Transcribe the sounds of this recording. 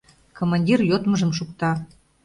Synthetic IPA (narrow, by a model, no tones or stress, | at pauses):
komɑnʲdʲirjot̪məʒəmʃukt̪ɑ